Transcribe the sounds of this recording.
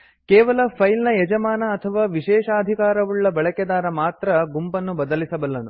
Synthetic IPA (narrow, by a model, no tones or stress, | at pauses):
kɛːʋɐlɐpʰɐjlnɐjɛd͡ʒɐmaːnɐːt̪ʰɐʋaːʋiʃɛːʃaːɐd̪ʱikaːɾɐʋuɭːɐbɐɭɐkɛd̪aːɾɐmaːt̪ɾɐɡumpɐnːubɐd̪ɐlisɐbɐlːɐnu